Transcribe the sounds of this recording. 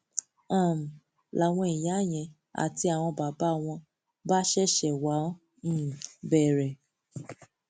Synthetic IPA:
ã˦˨m̩˨ | la˨w̃ɔ̃˧i˨j̃a˨˦˨j̃ɛ̃˧ | a̰˨ti˧a˨w̃ɔ̃˧ba˨˦ba˦˨w̃ɔ̃˧ | ba˦ʃɛ˦ʃɛ˨wã˨˦˨ | bɛ˦˨ɾɛ˨

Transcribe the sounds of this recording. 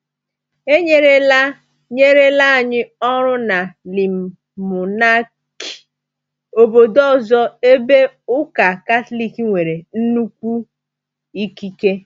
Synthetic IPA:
e˦ɲe˦ɾe˦la˦ | ɲe˦ɾe˦la˦a˨ɲɪ˦ɔ˦ɾʊ˦na˨li˨m̩˨ | mʊ˨na˦ | ki̥˨ | o˨bo˨dɔ˦˨zɔ˦e˦be˦ʊ˦ka˨ka˦tli˦ki˦ŋʷe˨ɾe˨n̩˦nu˦kʷu˦ | i˦ki˦ke˦

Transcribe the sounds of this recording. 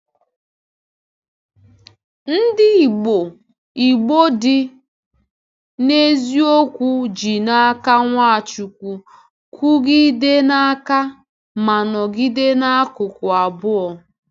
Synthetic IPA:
n̩˦dɪ˦i˨ɡ͡bo˨ | i˨ɡ͡bo˦dɪ˦ | ne˦zi˦o˦kʷu˦d͡ʒi˨na˦ka˦ŋʷa˦a˨t͡ʃu˨kʷu˨ | kʰu˦ɡɪ˦de˦na˦ka˦ | ma˨nɔ˨ɡi˦de˦na˦a˦kʊ˨kʊ˨a˨bʊ˦ɔ˨

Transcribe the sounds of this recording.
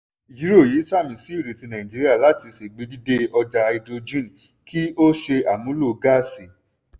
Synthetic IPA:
d͡ʒi˨˦ɾo˦˨ji˨˦sa˦˨mĩ˨si˦i˦˨ɾe˨ti˧nã˨ĩ˨d͡ʒi˦ɾi˦a˦˨la˨˦ti˧˦si˨ɡ͡bi˨˧˦di˦de˦ɔ˧d͡ʒa˧i˧do˧d͡ʒũ˦n˨ | kʰi˦o˦ʃe˧a˨mũ˨˦lo˦˨˧ɡa˦˨si˨

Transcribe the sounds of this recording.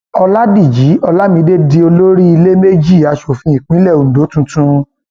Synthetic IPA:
ɔ˧la˦di˦˨d͡ʒi˨˦ɔ˧la˦mĩ˧de˦di˧o˧lo˦ɾi˦i˧le˦me˦d͡ʒi˦˨a˨˧ʃo˨fĩ˧˦ĩ˨k͡pĩ˦lɛ˦˨o˨n̩˨do˨˦tũ˧˦tũ˧

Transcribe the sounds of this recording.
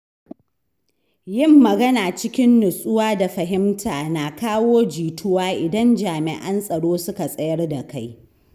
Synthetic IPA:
jɪ˦mːɐ˨ɡɐ˦naː˨t͡ʃɪ˦kʲɪ˦nːʊ˨sʼʊ˦waː˦da˨ɸɐ˨ɦɪ˦mtʰaː˨naː˨kaː˦woː˦d͡ʒiː˨tʊ˦waː˦ʔɪ˨dɐ˦nd͡ʒaː˨mɪ̰˨ʔɐ˦nsʼɐ˨ɽoː˦sʊ˦ka˨sʼɐ˦jɐ˦rda˨ka˦j

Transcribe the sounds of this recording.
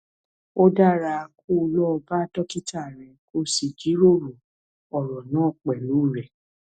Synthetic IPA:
o˦da˦˨ɾa˧ko˦˧lɔ˦˧ba˦tɔ˦ki˦tʰa˦˨ɾ̃ɛ̃˨ko˦si˨d͡ʒi˨˦ɾo˦˨ɾu˨ | ɔ˨ɾɔ˨nãː˦˨k͡pɛ˨lu˨˦˨ɾɛ˨

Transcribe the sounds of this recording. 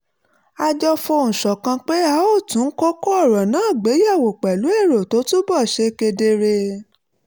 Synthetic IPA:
a˧d͡ʒɔ˧fo˧ñ̩˨ʃɔ˨kã˧k͡pe˦a˨˦o˦˨tũ˨˦ko˦ko˦ɔ˦˨ɾɔ˨nãː˨˦˨ɡ͡be˨˦ja˦˨wo˨k͡pɛ˨lu˨˦e˦˨ɾo˨to˨˦tũ˦bɔ˦˨ʃe˧ke˧de˧ɾe˧

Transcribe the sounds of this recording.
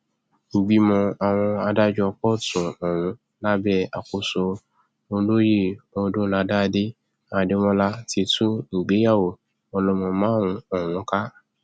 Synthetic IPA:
ŋ̩˨ɡ͡bi˧mɔ̃˧a˨w̃ɔ̃˧a˧da˦d͡ʒɔ˧kɔ˦tũ˨ɔ˨w̃ũ˨˦ | la˦bɛ˦a˨ko˨so˧ | o˧lo˦je˦˨ɔ˧dõ˦la˧da˦de˦ | a˨de˦w̃ɔ̃˦la˦ti˧˦tũ˦ŋ̩˨ɡ͡be˨˦ja˦˨wo˨ | ɔ˧lɔ˧mɔ̃˧mã˨˦˨ɾ̃ũ˧ɔ˦˨w̃ũ˨˦ka˦

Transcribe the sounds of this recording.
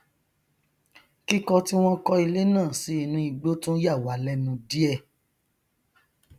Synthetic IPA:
ki˦kɔ˧ti˦w̃ɔ̃˦kɔ˧i˧le˦nãː˦˨si˨˦i˧nũ˧˦i˧ɡ͡bo˦tũ˦ja˦˨wa˨˦lɛ˦nũ˧di˦ɛ˦˨

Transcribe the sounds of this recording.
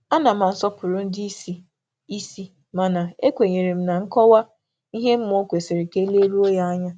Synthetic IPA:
a˦na˨m̩a˨n̩˨sɔ˦pʊ˨ɾʊ˨n̩˦di˦i˦si˦ | i˦si˦ | ma˨na˨e˦kʷe˨ɲe˨ɾe˨m̩˦na˨ŋ̩˦kɔ˦wa˦ | i˦ɦe˦m̩˦m˦o˦kʷe˨sɪ˨ɾɪ˨ke˦le˦ɾu˦o˦ja˦a˦ɲa˦

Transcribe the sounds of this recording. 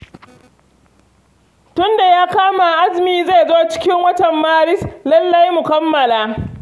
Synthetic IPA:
tʊ˦nda˨jaː˦kaː˦ma˨ʔa˦zmiː˨za˦˨zoː˦t͡ʃɪ̥˦kʲɪ˦ŋwɐ˦tɐ˨mːaː˦ɾɪ˦slɐ˦lːa˦jmʊ˨kɐ˦mːɐ˨laː˦

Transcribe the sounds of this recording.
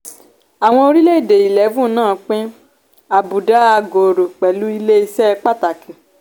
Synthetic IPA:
a˨w̃ɔ̃˧o˧ɾi˦le˦i˦˨de˨i˨lɛ˨˦fũ˦˨nãː˦˨k͡pẽ˦ | a˨bu˨da˨˦a˧ɡo˨ɾo˨k͡pɛ˨lu˨˦i˧le˦i˧sɛ˦˧k͡pa˦ta˨kĩ˨

